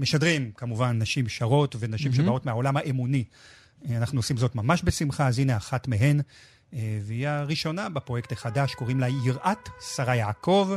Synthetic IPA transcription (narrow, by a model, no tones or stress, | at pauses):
meʃadʁimkamuvanːaʃimʃaʁo̞tve̞naʃimʃebao̞tmeao̞lamhaʔemuni | anaχnuosimzo̞tmamaʃbe̞simχazinaaχatmeɦe̞n | veijaʁiʃo̞nabepʁjektaχadaʃko̞ʁimlajiʁʔatsaʁajaːko̞v